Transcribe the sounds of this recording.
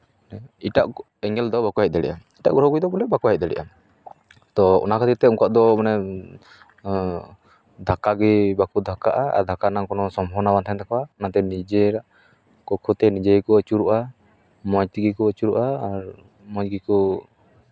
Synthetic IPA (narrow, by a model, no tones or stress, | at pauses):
nɛiʈaʔ | ɛŋɛld̪ɔbakuɦɛc̪̚ˀd̪ɛɽɛʔamiʈa̰ʔɡɔɾɦɔɡud̪ɔbɔlɛbakuɦɛc̪̚d̪ɛɽɛ̰ʔam | t̪ɔɔ̰nakʰat̪it̪ɛuŋkaʔd̪ɔmanɛ | d̪ʱakaɡibakud̪ʱakaʔaa̰ɾd̪ʱakanaŋkɔnɔsɔmɔnabant̪ʰɛnt̪akawanat̪ɛnid͡ʒeɾaʔ | kɔkʰɔt̪ɛnid͡ʒekɔət͡ʃuɾuʔa | mɔd͡ʒt̪iɡikɔət͡ʃuɾuʔaːɾ | mɔd͡ʒɡikɔ